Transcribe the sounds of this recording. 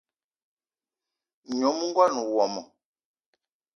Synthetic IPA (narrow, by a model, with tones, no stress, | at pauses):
ɲɔ˨˦mu˦ŋ˦ɡwa˦˨nu˨wɔ˨mɔ˨